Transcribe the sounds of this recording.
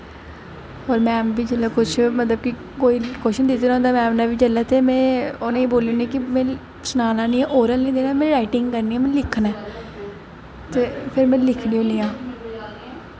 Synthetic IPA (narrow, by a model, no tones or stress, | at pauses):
ɔːɾmɛ̃ːbiːd͡ʒəlaːkʊt͡ʃʰmət̪ləb̚ki | koːiːkoːʃɪʃd̪ɪt̪eːnõnd̪aːmɛːmnaːbiːd͡ʒəlːaːt̪eːmɛ̃ːoːnẽːeːboːljõːnẽːkɪmɛ̃ː | sənaːnãːnĩːɛ̃ːʔoːɾəlnĩːd̪eːnaːmɛ̃ːɾaːɪʈɪŋɡkəɾniːãːmɛ̃ːlɪkʰːnɛː | t̪eːpʰɪɾmɛ̃ːlɪkʰniːõːniːãː